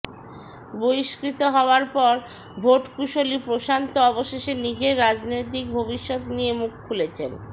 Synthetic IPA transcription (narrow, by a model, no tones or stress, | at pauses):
boiʃkɾit̪oɦɔoaɾpɔɾ | bʱoʈkuʃolipɾoʃant̪oɔboʃeʃenid͡ʑeɾːad͡ʑnojt̪ik̚bʱobiʃːot̪niemukʰːulet͡ɕʰen